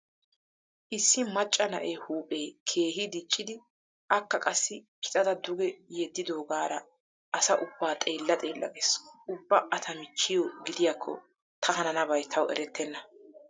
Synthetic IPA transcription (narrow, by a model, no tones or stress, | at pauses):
ʔɪsːɪmɐt͡ʃʼːɐnɐ̰ʔeːhuːpʼeːkʰe̞ːɦɪd̪ɪt͡ʃʼːɪd̪ɪ | ʔɐkːɐkʼɐsːɪpʰɪ̥t̪ʼɐd̪ɐd̪ʊɡɛjed̪ːɪd̪o̞ːɡaːɾɐ | ʔːsɐʔʊbːaːt̪ʼeːlːɐt̪ʼeːlːɐ̰ɡesʊbːɐʔɐt̪ʰɐmɪt͡ʃːɪjɔɡɪd̪ɪjakʰːɔ̰ | t̪ʰɐɦɐnɐnɐbɐjt̪ʰɐwɛ̰ɾɛt̪ʰːɛnːɐ